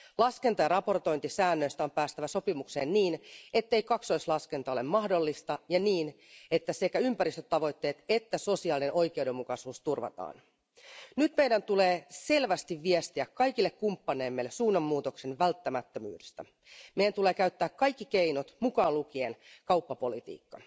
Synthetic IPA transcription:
lɑske̞nt̪ɑjɑɾɑpo̞rt̪o̞jnt̪isæːnːø̞jst̪æompæːst̪æʋæso̞pimukse̞̰ːnːiːne̞t̪ːe̞jkɑkso̞islɑske̞nt̪ɑolemmɑhdo̞lːist̪ɑjɑniːn | e̞t̪ːæse̞kæympæɾist̪øt̪ɑʋo̞jt̪ːeːt̪e̞t̪ːæso̞siɑːlinno̞jk̟e̞uwde̞mːukɑsuːst̪urʋɑ̰t̪ɑ̰ːn | nyt̪mejdænt̪ule̞ːse̞lʋæst̪iʋːiest̪iækkɑjk̟ilːekkumpːɑneːmːelːesuːnːɑmːuːt̪oksenʋælt̪ːæmæt̪ːømy̰ːdest̪æ̰ | mejænt̪ule̞ːkæyt̪ːæːkkɑjkːikeinot̪mukɑːlukienkɑwpːɑpo̞lit̪ḭːkːɑ̰

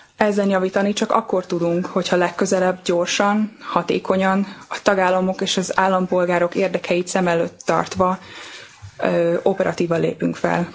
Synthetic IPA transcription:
ɛzːɛnjɒviːt̪ɒnit͡ʃɒkɒ̰kːo̞rt̪ud̪uŋkho̞chɒlɛkːø̞zɛlɛbːɟo̞rʃɒnhɒt̪ḛːkʰo̞ɲɒnɒt̪ɒɡaːlːɒmo̞keːʃɒzaːlːɒmpo̞lɡaːɾo̞keːrd̪ɛkʰɛjit̪sɛmɛløːt̪ːɒ̰rt̪ʋɒ | o̞pɛɾʔɒt̪iːvɒlːḛːpy̰ŋkfɛ̰l

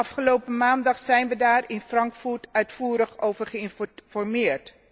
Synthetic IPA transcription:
ɑfχəlowpəmaːndɑχsɛjnʋədaːrɪnfrɑŋkfurtœɥtfuːɾəχowvərχəɪnfɔrmɪːrt

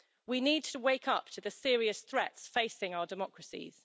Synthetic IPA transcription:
winiːd̚tʰəweɪkʰʌp̚tʰəðəsɪəɹiəsθɹɛtsfeɪsɪ̃ŋaʊədɪmɒkʰɹəsḭz̥

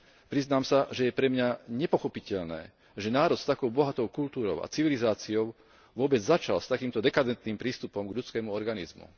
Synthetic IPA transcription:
pɾiznaːmsaʒɛjɛpɾɛmɲaɲɛpɔxɔpicɛʎnɛ̰ː | ʒɛnaːɾɔt̪st̪akɔʊbɔɦat̪ɔʊkult̪uːɾɔʊʔa̰t͡siʋilizaːt͡siɔʊ | ʋʊɔbɛd͡zzat͡ʃa̰lst̪akiːmt̪ɔd̪ɛkad̪ɛnt̪niːmpɾiːst̪upɔmɡʎut͡skɛːmuɔɾɡanizmṵ

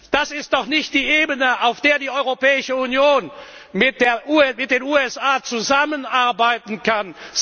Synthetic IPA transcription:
d̥asɪst̚d̥ɔχnɪçt̚d̥iːʔeːbənəʔaʊfd̥eːɐdiːʔɔʏʁopɛːɪʃəunjoːn | mɪt̚d̥eːɐʔuːmɪt̚d̥eːnuːɛsʔaːt͡suzamənʔaɐbaɪtn̩kʰan

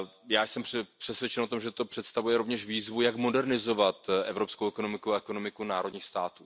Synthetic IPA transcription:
jaːjsɛmpɛpr̥ɛsvjɛt͡ʃɛno̞t̪o̞mʒɛt̪o̞pr̥ɛt̪st̪avujɛɾo̞vɲɛʃviːzvujakmo̞dɛɾnɪzo̞vat̪ʔɛvɾo̞pskowɛko̞no̞mɪkuaɛko̞no̞mɪkunaːɾodɲiːxst̪aːt̪uː

